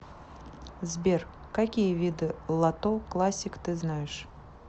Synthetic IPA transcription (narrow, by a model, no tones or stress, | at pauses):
zʲbʲer | kakʲijəvʲid̪ɨlˠat̪oklˠasʲːɪkt̪ɨznajɪʂ